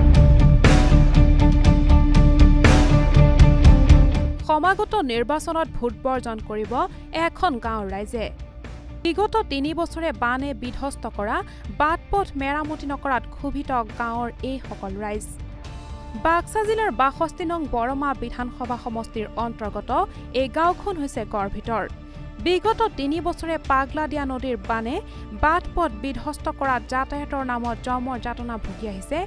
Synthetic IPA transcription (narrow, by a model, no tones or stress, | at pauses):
xɔmaɡɔtɔniɹbasɔnɔt̚bʱut̚bɔɹzɔnkoɹibɔ | ɛkʰɔnɡãʊ̃ɹːajzɛ | biɡɔtɔtinibɔsɔɹɛbanɛbidʱɔstɔkɔɹa | bat̚pɔtʰmɛɹamutinɔkɔɹatɡʰʱubʱitɔɡãʊ̃ɹejxɔkɔlɹajz | baɡsazilaɹbaxɔstinɔŋbɔɹɔmabidʱanxɔbʱaxɔmɔstiɹɔntɔɹɡɔtɔ | ejɡãwkʰɔnɦojsɛɡɔɹbʱitɔɹ | biɡɔtɔtinibɔsɔɹɛpaɡladijanodiɹbanɛ | batpɔt̚bidʱɔstɔkɔɹatzatajɛtɔɹnamɔt̚zɔmɔɹzatɔnabʱuɡiaɦisɛ